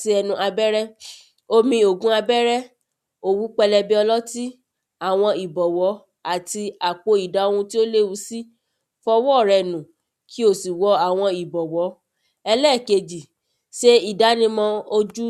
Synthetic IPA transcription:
ti˧ɛ˧nũ˧ʔa˧bɛ˦ɾɛ˦ | o˧mĩ˧o˨ɡũ˦a˧bɛ˦ɾɛ˦ | o˨wu˨˦k͡pɛ˧lɛ˧bi˧ɔ˧lɔ˦ti˦ | a˦˨w̃ɔ̃˧i˨bɔ˨wɔ˨˦ | a˦˨ti˧a˨k͡po˨˧i˨da˨˦õ˧ũ˧ti˦o˦le˦wu˧˦si˦ | fɔ˧wɔ˦˨ɾɛ˧˨nũ˨ | kʰi˦o˦˨si˨wɔ˨˦a˨w̃ɔ̃˧i˨bɔ˨wɔ˨˦ | ɛ˧lɛ˦˨ke˧d͡ʒi˨ | ʃe˦i˦˨da˨˦nĩ˧mɔ̃˧o˧d͡ʒu˦

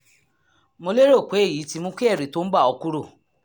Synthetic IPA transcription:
mo˧le˦ɾo˦˨k͡pe˨˦e˦˨ji˨˦ti˧mõ˦ki˦ɛ˦˨ɾe˨to˨˦n̩˦ɡ͡ba˦˨ɔ˧ku˦ɾo˦˨

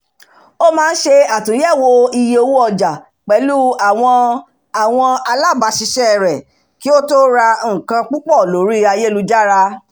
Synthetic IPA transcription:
o˦mãː˦˧n̩˦ʃe˧a˨tũ˨˦jɛ˦˨wo˧i˧je˧o˧wu˦ɔ˦˨d͡ʒa˨ | k͡pɛ˨˦lu˦a˨w̃ɔ̃˧ | a˨w̃ɔ̃˧a˧la˦˨ba˧˦ʃi˧ʃɛ˦˨ɾɛ˨ | ki˨˦o˦to˦ɾa˧ŋ̩̃˨kã˧k͡pu˦k͡pɔ˦˨lo˨˦ɾi˦a˧je˦lu˧d͡ʒa˦ɾa˧

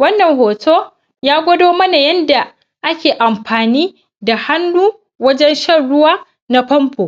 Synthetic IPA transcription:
wɐ˦nːɐ˨ŋhoː˨tʰoː˦ | jaː˦ɡʷɐ˦doː˦mɐ˦na˨jɐ˦nda˨ | ʔa˦kʲeː˨ʔa˨mɸaː˨niː˦ | da˨ha˦nːuː˦ | wɐ˦d͡ʒɛ˦nʃɐ˦˨nɽʊ˦waː˦ | na˦ɸɔ˦mpoː˨

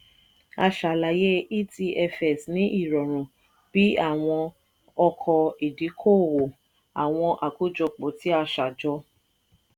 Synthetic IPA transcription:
a˧ʃa˨la˨je˦i˦ti˧ɛ˧fɛ˨snĩ˨˦ʔi˦˨ɾɔ˨ɾ̃ũ˨ | b̥i˨˦a˦˨w̃ɔ̃˧ | ɔ˧kʰɔ˧i˨di˨˦kʰoː˦˨wo˨ | a˨w̃ɔ̃˧ʔa˨ko˦d͡ʒɔ˧k͡po˨ti˦a˧ʃa˨d͡ʒɔ˧˦

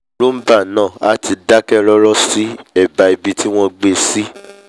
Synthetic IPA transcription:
ɾu˦m̩˦ba˦˨nãː˦˨a˦ti˧da˦kɛ˦ɾɔ˦ɾɔ˦si˦ɛ˦˨ba˨i˨bi˧ti˦w̃ɔ̃˦ɡ͡be˧si˦

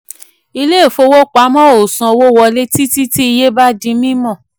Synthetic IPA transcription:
i˧le˦˨fo˧wo˦k͡pa˨˦mɔ̃˦o˨sɔ̃˧wo˦wɔ˧le˦ti˦ti˦ti˦i˧je˦ba˦dĩ˧˦mĩ˦mɔ̃˦˨

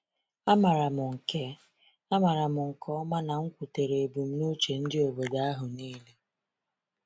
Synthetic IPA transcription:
a˦ma˨ɾa˨mʊ˨ŋ̩˨ke˦ | a˦ma˨ɾa˨mʊ˨ŋ̩˨kʰɔ˦ma˦na˨ŋ̩˦kʷu˨te˨ɾe˨e˨bu˨m̩˦nu˦t͡ʃe˨n̩˦dɪ˦o˨be˨da˨a˦ɦʊ˨niː˦le˦

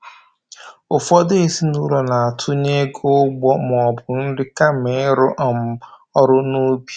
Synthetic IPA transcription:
ʊ˨fɔ˦de˦e˦si˦nu˦ɾo˨na˨a˨tʰʊ˦ɲe˦ɡo˦ɡ͡bɔ˦m˨ɔ˨bʊ˨n̩˦dɪ˦ka˦me˨˦ɾʊ˦ʔa˨m̩˨ | ɔ˦ɾʊ˦nu˦b

